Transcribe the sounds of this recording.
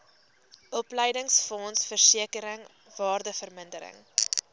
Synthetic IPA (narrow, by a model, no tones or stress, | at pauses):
ʔɔpləjdəŋsfɔnsfərsiəkəɾəŋ | vɑːrdəfərməndəɾə̰ŋ